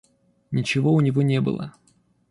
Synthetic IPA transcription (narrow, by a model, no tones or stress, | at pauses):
nʲɪt͡ɕɪvoʊnʲɪvonʲebɨ̰lˠə̰